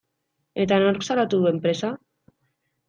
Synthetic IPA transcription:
e̞t̪anoɾksalat̪uðue̞mpɾe̞sa

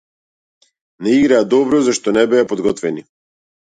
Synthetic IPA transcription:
nɛiɡɾaːd̪ɔbɾɔzaʃt̪ɔnɛbɛapɔd̪ɡɔt̪vɛni

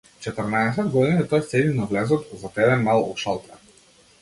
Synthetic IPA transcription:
t͡ʃɛt̪əɾnaɛs̬ɛd̪ɡɔd̪init̪ɔjsɛd̪inavlɛzɔt̪zat̪ɛbɛmalˠɔ̰ʃalˠt̪ɛ

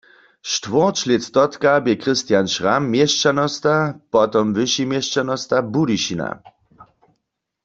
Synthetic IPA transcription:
ʃtʋɔʁt͡ʃlɛt̪t̪ɔt̪kabjɛkʁɪst̪janʃʁamːjɛʃt͡ʃanɔst̪apɔt̪ɔmvɨʃimjɛʃt͡ʃanɔst̪abudiʃina̰

